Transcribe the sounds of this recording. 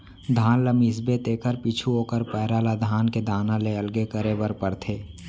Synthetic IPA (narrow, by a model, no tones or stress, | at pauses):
d̪ʱaːnləmiːsbet̪eːkəɾpiːt͡ʃʰuoːkəɾpɛːɾaːlad̪ʱaːnked̪aːnãleəlɡekəɾeːbəɾpəɾt̪ʰeː